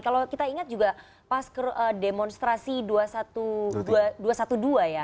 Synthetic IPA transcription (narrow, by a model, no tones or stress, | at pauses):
kalokit̪aiŋat̪̚d͡ʒuɡa | paskərədemɔnst̪ɾasiduasat̪uduaduasat̪uduaja